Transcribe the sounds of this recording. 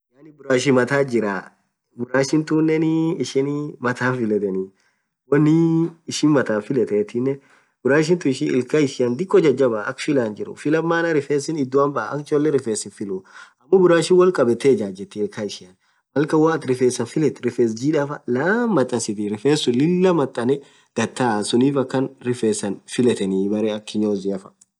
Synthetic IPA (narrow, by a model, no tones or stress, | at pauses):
jaːnɪbʊɾaːʃɪmɐt̪aːd͡ʒɪɾa̰ː | bʊɾaːʃɪnt̪unːɛnɪːʃɪnmɐt̪ʰaːnfɪlɛt̪ɛni | wɐnːɪːʃɪnmɐt̪aːnfɪlɛt̪ɛt̪ɪnːɛ | bʊɾaːʃ̬ɪnt̪ʊɪʃɪʔɪ̰lkaɪʃɪɐnd̪ɪkʼːɔd͡ʒɐd͡ʒːɐbɐʔɐ̰kfɪlaːnd͡ʒɪɾʊ̰fɪlɐmːaːnɐɾɪfeːsɪnɪd̪ːʊwambɐʔa̰ɐ̰kt͡ʃɔlːɛɾɪfeːsɪnfɪluɐmːɐbʊɾaːʃɪnwɐlkʼɐbɛt̪eːd͡ʒaːd͡ʒɛt̪ːɛɪlkaɪʃɪjɐn | mɐlkɐwaɐt̪ɾɪfeːsːɐnfɪlɛt̪ɾɪfeːs̬d͡ʒiːᶑafɐlɐmːɐt̪ʼːɐnsɪt̪ɪɾɪfeːsʊlɪlːɐmɐt̪ʼːɐnɛ | d̪̥ɐt̪ːaːsʊniːfɐkːɐnɾɪfeːsːɐnfɪlɛt̪ɛnibɐɾeːɐkːɪɲoːzɪɐfɐ̥